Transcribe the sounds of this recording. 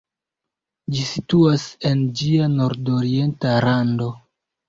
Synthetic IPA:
d͡ʒisituase̞nd͡ʒiano̞ɾdoɾie̞ntaɾando̞

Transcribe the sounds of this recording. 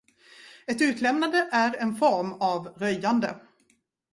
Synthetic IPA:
ɛt̪ʉ̟ːt̪lɛmnand̪əʔæɾɛnfɔɾmavɾœjːand̪ə̰

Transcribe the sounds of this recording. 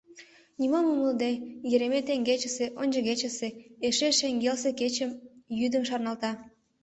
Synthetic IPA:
nʲimomuməld̪ejeɾemet̪eŋɡet͡ɕə̆seʔonʲd͡ʒəɣet͡ɕə̆seeʃeʃeŋɡelseket͡ɕəmjyd̪ə̆mʃɑrnɑlt̪ɑ

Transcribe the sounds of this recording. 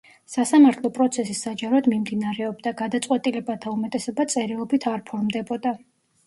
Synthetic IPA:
sasamaɾt̪ʰlˠɔpʼɾɔt̪sʰɛsisːad͡ʒaɾɔad̪mimd̪inaɾɛɔbd̪aɡad̪at̪sʼqʼwɛt̪ʼilɛbat̪ʰaumɛt̪ʼɛsɔbat̪sʼɛɾilˠɔbit̪ʰaɾpʰɔɾmd̪ɛbɔd̪a

